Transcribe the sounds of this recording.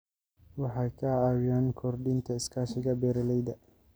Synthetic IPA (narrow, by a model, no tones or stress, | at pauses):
wɑħɑjkʰɐaːwɪjaːnkʰɔrd̪ɪnt̪ʰɐɪskʰaːʃɪɣɐbɛːɾɐlɛjd̪ɐ